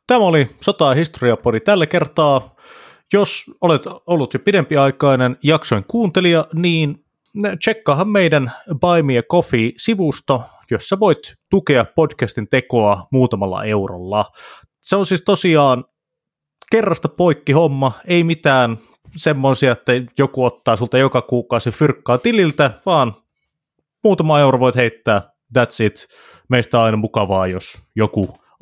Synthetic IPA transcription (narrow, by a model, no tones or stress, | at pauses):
t̪æmæolisot̪ɑːhist̪oriɑpodit̪ælːækert̪ɑː | josolet̪olːut̪jopidempiɑikɑinenjɑksojŋkuːnt̪eliɑniːn | t͡ʃekːɑːhɑmmeidænʋɑimiekofiːsiʋust̪o | josːæʋoit̪t̪ukeɑppodkæst̪int̪ekoɑmuːt̪ɑmɑlːɑ̰ʔeuro̰lːɑ | seonsiːst̪osiɑːn | kerːɑst̪ɑpoikːihomːɑeimit̪æːn | semːosiɑet̪ːæjokuot̪ːɑːsult̪ɑjokɑkuːkɑːsefyrkːɑːt̪ililt̪æʋɑːn | muːt̪ɑmɑeuroʋoit̪heit̪ːæː | dæt̪sit̪ | meist̪æɑinɑmukɑʋɑːjosjoku